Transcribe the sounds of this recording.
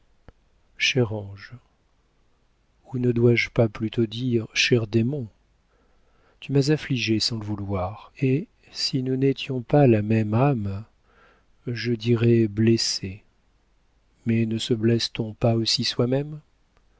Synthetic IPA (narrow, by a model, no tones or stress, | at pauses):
ʃɛʁɑ̃ʒ | unəd̪waʒpaplyt̪ʰod̪iʁʃɛʁd̪emɔ̃ | t̪ymazafliʒesɑ̃ləvulwaʁe | sinunet̪jɔ̃palamɛmam | ʒəd̪iʁɛblese | mɛnəsəblɛst̪ɔ̃paosiswamɛm